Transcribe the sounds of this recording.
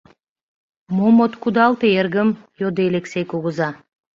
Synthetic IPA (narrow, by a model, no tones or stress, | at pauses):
momot̪kud̪ɑlˠt̪eeɾɡəmjod̪elʲeksʲejkuɣuza